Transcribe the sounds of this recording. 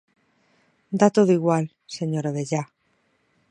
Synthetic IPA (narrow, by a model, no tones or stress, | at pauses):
d̪at̪oðoiɣwal | se̞ɲoɾaβe̞ʎa